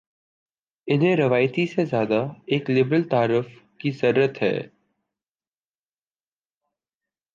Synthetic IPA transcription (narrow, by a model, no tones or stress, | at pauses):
ɪnɦẽɾɐʋaːjt̪isezjaːd̪aeːklɪbɾəlt̪aːɾʊfkizɐɾuːɾət̪ɦɛ̰ː